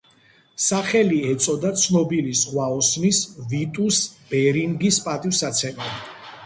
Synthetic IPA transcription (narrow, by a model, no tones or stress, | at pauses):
saχɛliɛt̪sʼɔd̪at̪sʰnɔbilisʁwaɔsnisvit̪ʼusb̥ɛɾiŋɡispʼat̪ʼivsat̪sʰɛmɛ